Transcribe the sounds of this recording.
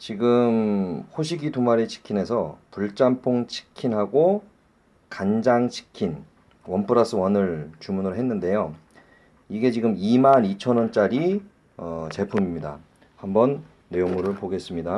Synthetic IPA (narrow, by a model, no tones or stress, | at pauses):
t͡ɕiɡɯmɸoɕʰiɡitumaɾet͡ɕʰi̥kʰine̞sʰʌpuɭt͡ɕ͈ampʰoŋt͡ɕʰi̥kʰinɦaɡo | kand͡ʑaŋt͡ɕʰi̥kʰin | wʌmpʰɯɾas͈ʰɯwʌnɯɭt͡ɕumunɯɾoɦe̞nːɯnde̞jo | iɡe̞t͡ɕiɡɯmimanit͡ɕʰʌnwʌnt͡ɕ͈aɾi | ʌt͡ɕe̞pʰumimɲida̰ | hambʌnː | e̞joŋɯɾɯɭpoɡe̞s͈ɯmɲida